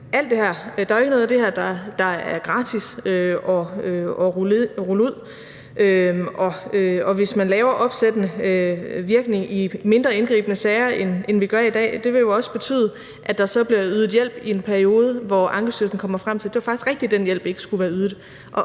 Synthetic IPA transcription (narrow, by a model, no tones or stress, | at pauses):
æl̰d̥e̝hæɐ̰d̥ɑ̈æoeɡ̥ənoːð̩ˠæd̥e̝hæɐd̥ɑ̈d̥ɑ̈æɐɡ̥ʁɑ̈ːt͡sʰisøɒøɒʁuluð̞̰ˠ | ʔøɒ̽øɒ̽ʋe̝smænlɛːʊɐʔɒ̽b̥sed̥ənə | ʋiɐɡ̥ne̝ŋime̝nd̥ʁɐe̝nɡ̥ʁḭːb̥ənəsɛɪɐenenʋiɡ̥ɶɐidɛ̰ːd̥e̝ʋe̝jo̝ɒ̽sə̥b̥e̝t͡sʰy̰ːð̞̩ˠə | ʔæd̥ɑ̈sɒ̽b̥liɐyːð̞ˠð̩ˠjel̰b̥ie̝npʰæɐio̝ːð̞ˠəʋɒʔɑ̈ŋɡ̥əsøɐsn̩kʰɒ̽m̰ɐfʁɑm̰t͡sʰe̝ld̥e̝ʋɑfɑɡ̥isɡ̥ʁɛɡ̥d̥id̥enjel̰b̥e̝ɡ̥əsɡ̥uʋæːɐyð̩ˠ | ʔɒ̽